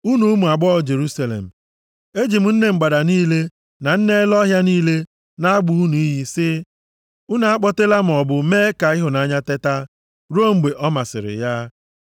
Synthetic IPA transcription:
u˦nu˨˦mu˨a˨ɡ͡bɔ˦˨d͡ʒe˨ɾu˦sa˨lḛ˨m̩˨ | e˦d͡ʒi˨m̩˨n̩˦ne˨ŋ͡m̩˨ɡ͡ba˨da˨niː˦le˦ | na˨n̩˦ne˦e˦lɔ˦ɦja˦niː˦le˦ | na˦a˦ɡ͡bʊ˨u˦nu˨i˦ɦi˦sɪ˦ | ʊ˦na˨a˦k͡pɔ˦te˦la˦m̩˨ɔ˨bʊ˨meː˦ka˨ɪ˦ɦʊ˨na˨˦ɲa˦te˦ta˦ | ɾo˦ŋ͡m̩˨ɡ͡be˨ʔɔ˦ma˨sɪ̰˨ɾɪ̰˨ja˦

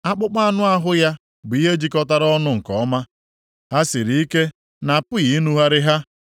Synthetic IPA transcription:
a˦k͡pʊ˦k͡pa˦a˦nʊ˦a˦ɦʊ˦ja˦ | bi˦ɦe˦d͡ʒi˦kɔ˦ta˦ɾɔ˦nʊ˦ŋ̩˨kɔ̰˨ɔ˦ma˦ | ha˦si˨ɾi˨˦i˦ke˦ | na˨pʊ˦ji˨˦nu˦ɦa˦ɾɪ˦ɦa˦

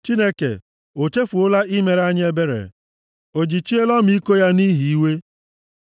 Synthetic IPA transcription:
t͡ʃi˦ne˦kḛ˨ | o˨t͡ʃe˦fu˨ʊ˦la˦ʔi˦me˨ɾa˦ɲ˦e˦be˦ɾḛ˨ | o˨d͡ʒi˨t͡ʃi˦e˦lɔ˦m˦˨i˦ko˦ja˦ni˦ɦi˨i˦we˦

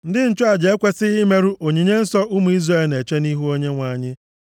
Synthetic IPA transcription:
n̩˦dɪ˦n̩˦t͡ʃʊ˦a˨d͡ʒe˨e˦kʷe˦sɪ˦ɪ˦me˦ɾu˦ʔo˨ɲi˨ɲe˦n̩˦sɔ˦ʊ˦mu˨˦i˦zre˨e˦lne˨t͡ʃe˦ni˦ɦu˦o˦ɲe˦ŋʷa˨˦˨ɲɪ˦

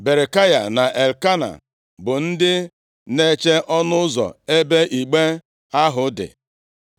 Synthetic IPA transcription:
be˨ɾe˨ka˦ja̰˨na˨ʔe˨lka˦na̰˨ | bʊ˨n̩˦dɪ˦ | ne˦t͡ʃe˦ʔɔ˦nʊ˦ʊ˦zɔ̰˨e˦be˦ʔi˨ɡ͡be˦ | a˦ɦʊ˦dɪ̰˨

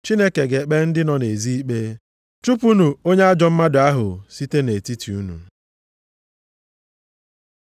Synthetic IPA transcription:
t͡ʃi˦ne˦ke˨ɡe˨k͡pe˦n̩˦dɪ˦nɔ˦ne˨zi˦i˦k͡pe˦ | t͡ʃu˦pu˦nu˨o˦ɲe˦a˦d͡ʒɔ˦m̩˦ma˦dʊ˨a˦ɦʊ˨si˦te˦ne˨ti˦tʰi˨u˦nṵ˨

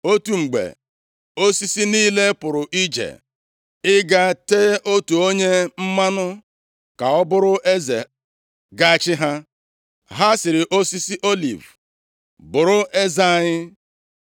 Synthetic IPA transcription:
o˦tu˨ŋ͡m̩˨ɡ͡bḛ˨ | o˦si˦si˦niː˦le˦pʊ˨ɾʊ˨ʔi˦d͡ʒḛ˨ | ɪ˦ɡa˦teː˦ʔo˦tu˨o˦ɲe˦m̩˦ma˦nʊ˦ | ka˨ɔ˦bʊ˦ɾʊ˦ʔe˦ze˨ | ɡa˦˨t͡ʃɪ˦ɦa˦ | ɦa˦sɪ˨ɾɪ˨ʔo˦si˦si˦ʔo˦lḭ˨v | bʊ˨ɾʊ˦e˦za˦˨ɲɪ˦

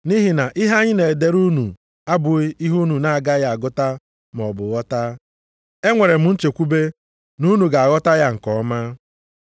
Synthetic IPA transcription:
ni˦ɦi˨na˨ʔɪ˦ɦa˦ɲɪ˦ne˨e˨de˦ɾu˦nu˨ | a˦bʊ˨i˦i˦ɦu˦nu˨na˦a˨ɡa˦ja˨a˨ɡʊ˦ta˦ | m˨ɔ˨bʊ˨ɣɔ˦ta˦ | e˦ŋʷe˨ɾe˨m̩˨˦n̩˦t͡ʃe˨kʷu˦be˦ | nu˦nu˨ɡa˨a˨ɣɔ˦ta˦ja˦ŋ̩˨kɔ˨˦ma˦

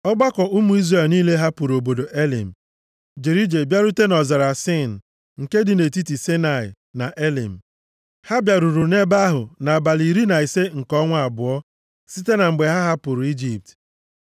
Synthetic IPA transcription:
ɔ˦ɡ͡ba˦kɔ˨u˦mu˦i˦zre˨lniː˦le˦ɦa˦pu˨ɾo˨bo˨do˨ʔe˦lḭ˨m̩˨ | d͡ʒe˨ɾi˦d͡ʒe˨bja˦ɾu˦te˦nɔ˨zɔ˨ɾa˨sɪ˦˨n̩˨ | ŋ̩˨ke˦dɪ˨ne˨ti˦ti˨se˦na˨ɪ̰˨ | na˨ʔe˦lḭ˨m̩˨ | ha˦bja˨ɾu˨ɾu˨ne˦ba˦ɦʊ˨na˨ba˨li˨ɾi˦na˨i˨se˦ŋ̩˨kɔ˦ŋʷa˦˨a˨bʊ˨ɔ˦ | si˦te˦na˨m̩˨ɡ͡be˨ɦa˦ɦa˦pʊ˨ɾu˨i˦d͡ʒi˦p̚t

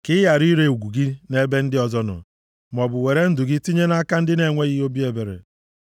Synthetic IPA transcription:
kɪ˦ja˨ɾi˦ɾe˦˨u˨ɡʷu˨ɡi˦ne˦be˦n̩˦dɪ˦ɔ˨zɔ˦nʊ̰˨ | m˨ɔ˨bʊ˨we˨ɾe˦n̩˦dʊ˨ɡɪ˦ti˦ɲe˦na˦ka˦n̩˦dɪ˦ne˨ŋʷe˦ɣi˦o˦bi˦e˨be˨ɾḛ˨

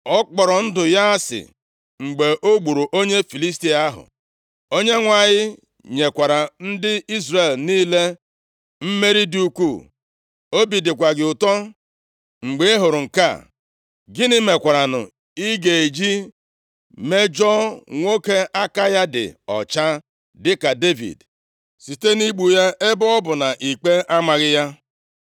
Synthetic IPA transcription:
ɔ˦k͡pɔ˨ɾɔ˨n̩˦dʊ˨ja˦sɪ̰˨ | ŋ͡m̩˨ɡ͡be˨ʔo˦ɡ͡bu˨ɾu˨ʔo˦ɲe˦fi˨li˦s̬ti˦a˦ɦʊ̰˨ | o˦ɲe˦ŋʷa˨ɲɪ˦ | ɲe˨kʷa˨ɾa˨n̩˦dɪ˦i˦zre˨lniː˦le˦ | m̩˦me˦ɾi˦di˦u˦kʷu˦˨ | o˦bi˨dɪ˨kʷa˨ɡɪ˨ʊ˨tɔ˦ | ŋ͡m̩˨ɡ͡be˨e˦ɦo˨ɾʊ˨ŋ̩˨ka̰˦˨ | ɡɪ˦nɪ˦me˨kʷa˨ɾa˨nʊ̰˨ | i˦ɡe˨e˨d͡ʒi˦ | me˦d͡ʒɔ˦ŋʷo˦ke˦ʔa˦ka˦ja˦dɪ̰˨ɔ̰˨t͡ʃa˦ | dɪ˦ka˨de˦vḭ˨d | si˨te˦ni˦ɡ͡bu˨ja˦ɪ˦bɔ˦ɔ˦bʊ˨na˨ʔi˨k͡pe˦ʔa˦ma˨ɣɪ˦ja˦

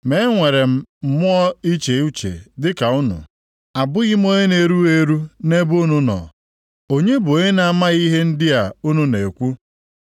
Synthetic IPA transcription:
me˨˦ŋʷe˨ɾe˨m̩˨m̩˦mʊ˦ɔ˦i˦t͡ʃe˨˦u˦t͡ʃḛ˨dɪ˦ka˨ʊ˦nʊ̰˨ | a˨bʊ˦ɣɪ˦m˦o˦ɲe˦ne˨ɾu˦e˦ɾu˦ne˦bu˦nu˦nɔ̰˨ | o˦ɲe˦bʊ˨o˨ɲe˦na˨ma˦i˦ɦe˦n̩˦dɪ˦a˨u˦nu˦ne˨kʷu˦

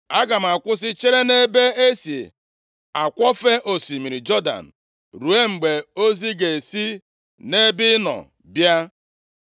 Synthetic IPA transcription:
a˦ɡa˨m̩˨a˨kʷʊ˦s̬ɪ˦t͡ʃe˦ɾe˦ne˦be˦e˦si˨ḛ˨ | a˨kʷɔ˦fe˦ʔo˨si˨mi˨ɾi˨d͡ʒɔ˦da̰˨n̩˨ | ɾu˨e˦ŋ͡m̩˨ɡ͡be˨o˦zi˦ɡe˨e˨si˦ | ne˦bɪ˦nɔ̰˨ | bja˦

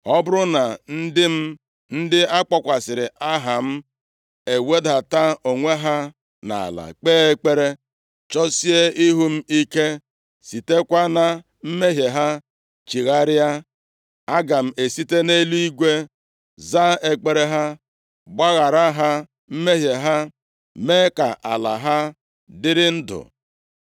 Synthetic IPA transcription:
ɔ˦bʊ˦ɾʊ˦na˨n̩˦dɪ˦m̩˦ | n̩˦dɪ˦a˦k͡pɔ˦kʷa˨sɪ˨ɾɪ˨ʔa˦ɦa˨m̩˦ | e˨we˦da˨ta˦o˨ŋʷe˦ɦa˦ | na̰˨a̰˨la̰˨k͡peː˦e˦k͡pe˦ɾe˦ | t͡ʃɔ˦si˦e˦i˦ɦu˦m̩˦i˦ke˦ | si˨te˦kʷa˦na˨ | m̩˦me˦ɦje˨ɦa˦ | t͡ʃi˨ɣa˦ɾɪ˦a˦ | a˦ɡa˨m̩˨e˨si˦te˦ne˦lu˦i˦ɡʷe˦ | za˦e˦k͡pe˨ɾe˦ɦa˦ | ɡ͡ba˦ɣa˨ɾa˦ɦa˦ | m̩˦me˦ɦje˨ɦa˦ | me˦ka̰˨ʔa̰˨la̰˨ɦa˦ | dɪ˦ɾɪ˦n̩˦dʊ̰˨

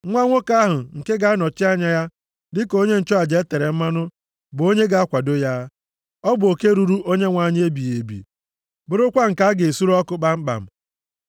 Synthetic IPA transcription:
ŋʷa˦ŋʷo˦ka˦a˦ɦʊ˨ŋ̩˨ke˦ɡa˨˦nɔ˨t͡ʃɪ˦a˦ɲa˦ja˦ | dɪ˦ko˦ɲe˦n̩˨t͡ʃɔ˦a˨d͡ʒe˨˦e˦te˨ɾe˨m̩˦ma˦nʊ˦ | bʊ˨o˦ɲe˦ɡa˨a˦kʷa˨do˦ja˦ | ɔ˦bʊ˨o˨ke˦ɾu˨ɾu˦ʔo˦ɲe˦ŋʷa˨˦˨ɲ˦e˦bi˨je˨bḭ˨ | bʊ˨ɾʊ˦kʷa˦ŋ̩˨ka˦a˦ɡe˨su˦ɾɔ˦kʊ˦k͡pa˦ŋ͡m̩˦k͡pa̰˨m̩˨

